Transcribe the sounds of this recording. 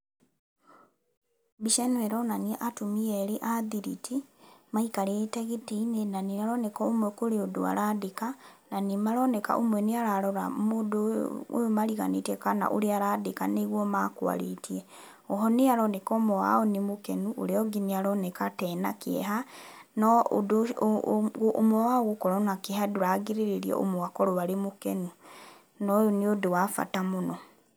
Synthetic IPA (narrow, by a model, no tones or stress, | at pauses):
biʃɛnwɛɾɔnaniɛʔatomiɛɾeʔaðiɾḭtʰimaikaɾetɛɣeteinenaneaɾɔnɛkɔomwɛkoɾeodoa̰ɾadekananimaɾɔnɛka̰ʔomwɛneaɾaɾɔɾa̰moːdoo̰jomaɾiɣa̰netɛkana̰ʔoɾeaɾaːdeka̰neɣwɔmakwa̰ɾḛtʰiɛ | ɔɦɔneaɾɔnɛkɔmɔwa̰ɔnemokɛnuo̰ɾeɔɡiniaɾɔnɛkatɛːna̰keɛ̰ɦanɔ̰d | omwawaɣokɔɾɔnakehaduɾaɡeɾeɾeɾiɔ̰ʔo̰mɔwakɔɾɔβaɾemokɛnu | nɔjoniodowafa̰tamonɔ